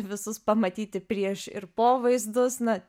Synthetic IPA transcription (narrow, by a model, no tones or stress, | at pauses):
ʋʲɪsʊspɐmɐt̪ʲiːt̪ʲɪpʲɾʲiɛʃɪ̰rpoːʋɐɪzd̪ʊsnɐ